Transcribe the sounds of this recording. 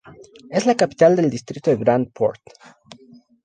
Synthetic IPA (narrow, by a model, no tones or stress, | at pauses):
e̞zlakapi̥t̪ald̪e̞ld̪ist̪ɾit̪oðeɡɾand̪̚pʰo̞̰ɾt̪